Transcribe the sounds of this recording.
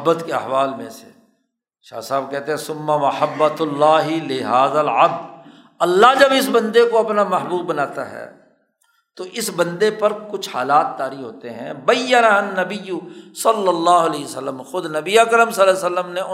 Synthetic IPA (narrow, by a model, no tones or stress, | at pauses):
bːət̪keɐ̰ɦʋaːlmḛ̃sḛ | ʃa̰ːsaːb̚kɛɦt̪ẽɦɛ̃sʊmːɐmɐħəbːɐt̪lːaːɦɪlɪɦaːzəlʕɐb̚d̪ | ɐlːad͡ʒɐbɪs̬bɐ̃nd̪ekoɐpnamɐɦbuːbːɐnaːt̪a̰ɦɛ̰ː | t̪oʔɪsbɐ̃nd̪epɐɾkʊt͡ʃʰha̰ːlaːt̪ːaːɾiɦo̰ːt̪eɦɛ̰̃bɐjːənaɐnːɐbɪjusɐlːəlːaːɦʊɐleːəsəlːəmxʊd̪nɐbiakəɾəmsɐlːasəlːəmne